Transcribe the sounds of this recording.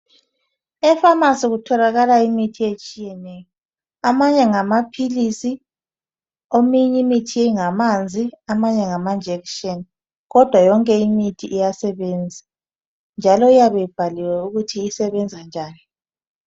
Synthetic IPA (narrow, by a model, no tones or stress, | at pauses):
ɛfamasiɣutʰɔlaɣalaimitʰiet͡ʃʼijɛnɛjɔ | amaɲɛŋamapʰilisi | omiɲimitʰiɛŋamand͡zʱiamaɲɛŋamand͡ʒʱɛkʃɔn | ɣɔd̥ʱwajɔŋkʼɛimitʰiʔijasɛβɛnd͡zʱa | nd͡ʒʱalɔijaβɛjib̥ʱaliwɛuɣutʰiːsɛβɛnd͡zʱand͡ʒʱaːni